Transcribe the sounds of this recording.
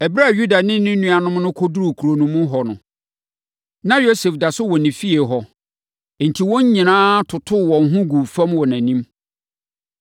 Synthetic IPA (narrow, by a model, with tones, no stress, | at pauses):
ɛ˨bɾa˦˨ju˦da˨nɪ̃˦nʊ̃˦nũ˦a˨nʊ̃˦mnʊ̃˦kʰɔ˦du˦ɾu˨kʰu˨ɾo˨nũ˨mũ˦ɦɔ˨nʊ̃˨ | nã˦jo˦se˨fda˨sʊ˦wɔ˨nɪ̃˨fi˦e˨ɦɔ˨ | n̩˨tʰi˨wɔ̃˦ɲ˦ɲĩ˨nãː˦tʰʊ˨tʰʊ˦˨wɔ̃˨n˦ɦʊ̃˦ɡu˨fã˦mwɔ˨næ̃˨nĩ˦m